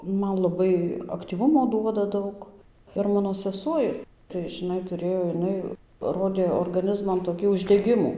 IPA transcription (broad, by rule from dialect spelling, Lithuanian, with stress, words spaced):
ˈmɐn lˠɐˈbɐɪ ɐktʲiːˈʋʊmoː ˈduɔdɐ ˈdɐʊk ɪr ˈmɑːnoː sʲɛˈsuɔj tɐɪ ʒʲɪˈnɐɪ tʊˈrʲeːjoː jɪˈnɐɪ ˈroːdʲeː oːrɡɐˈnʲɪzmɐn toːˈkʲiː ʊʒʲdʲɛˈɡʲɪmuː